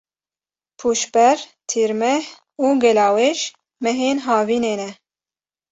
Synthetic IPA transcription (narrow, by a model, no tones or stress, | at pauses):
pʰuːʃbɛɾt̪ʰiːɾmɛh | uːɡɛlɑːwɛʃ | mɛɦeːnɦɑːviːneːnɛ